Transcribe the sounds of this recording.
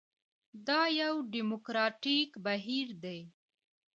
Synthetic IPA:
d̪ɑjawɖimokɾɑʈikbaɦiɾd̪e

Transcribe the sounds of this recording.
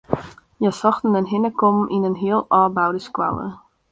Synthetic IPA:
jasɑxtən̩ənɦɪnəkɔmʔinənɦiəlˠɑːbawdəskwa̰wə̰

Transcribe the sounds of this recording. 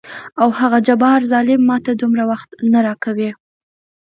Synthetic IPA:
awhaɣad͡ʒabɑɾzɑlɪmːɑt̪ad̪umɾawaxt̪naɾɑkawe

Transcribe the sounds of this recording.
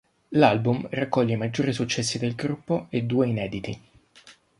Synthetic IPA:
lalbumrakːɔʎːeimad͡ʒːoːɾisut͡ʃːɛsːid̪elɡɾupːoed̪ːuːeinɛːd̪it̪i

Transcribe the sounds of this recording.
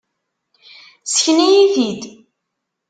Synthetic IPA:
sə̥çnijiðid̪

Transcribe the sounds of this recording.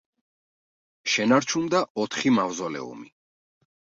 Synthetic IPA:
ʃɛnaɾt͡ʃʰumd̪aɔt̪ʰχimavzɔlɛ̰ṵmi

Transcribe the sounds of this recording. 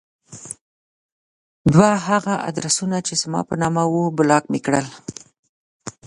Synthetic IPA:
d̪waɦaɣaʔa̰d̪ɾasunat͡ʃezmɑ̰pənɑmawobʊlɑkmekɽəl

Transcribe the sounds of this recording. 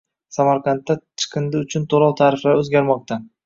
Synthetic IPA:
samaɾqʰɑnt̪ːat͡ʃʰɨ̥qʰɨnd̪ɪʊt͡ʃʰʊnt̪ʰolˠɒwt̪ʰaːɾɪflaɾɵzɡʲaɾmɒq̚t̪ʰa

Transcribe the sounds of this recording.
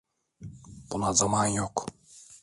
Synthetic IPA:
b̥unazamanjok

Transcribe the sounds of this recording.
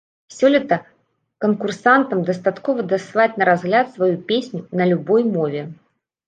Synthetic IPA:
wsʲɔlʲit̪ɐ | kɐnkursant̪ɐmd̪ɐst̪at̪kɔvɐd̪ɐslˠat͡sʲnɐɾazɣlʲat̪svajupʲesʲnʲunɐlʲubɔjmɔvʲɛ

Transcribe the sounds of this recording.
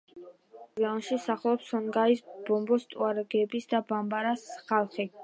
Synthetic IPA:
ɛɔnʃisaχlˠɔpsɔŋɡaisb̥ɔmbɔst̪ʼuaɾɡɛbisd̪abambaɾasχalˠχi

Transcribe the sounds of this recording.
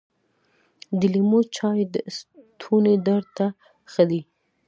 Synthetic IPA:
d̪əlimot͡ʃɑjd̪əst̪ʰuned̪aɾt̪a | xəd̪i

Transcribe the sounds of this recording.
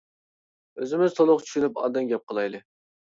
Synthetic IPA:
øzɪmɪzt̪ʰolˠʊqt͡ʃʰy̥ʃynypɑ̰d̪ɛnɡʲɛp̚qəlˠɑjlɨ

